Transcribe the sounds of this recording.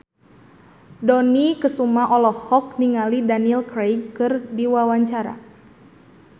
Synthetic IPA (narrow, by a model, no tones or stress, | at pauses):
dɔnikəsumaʔɔlɔhɔk̚niŋalidaniɛlkɾejɡkɨrdiwawaɲt͡ʃaɾa̰